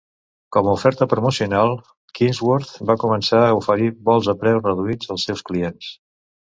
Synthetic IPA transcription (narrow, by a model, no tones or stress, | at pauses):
kɔməufɛɾt̪əpɾumusiunalˠ | kinzwɔɾt̪bakumənsaəufəɾiβɔlˠzəpɾɛwrəðuid͡zəlˠsːɛwskliens